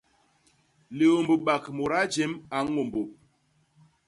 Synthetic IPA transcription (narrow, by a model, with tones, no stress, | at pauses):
le˨o˨mbo˨ɓa˨kmo˨ɾa˦d͡ʒe˦ma˨˦ŋo˨mbo˨